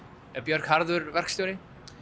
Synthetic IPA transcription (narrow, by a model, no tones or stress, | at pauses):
ɛpjœɾ̥khaɾðʏɾvɛr̥kst̪jowɾɪ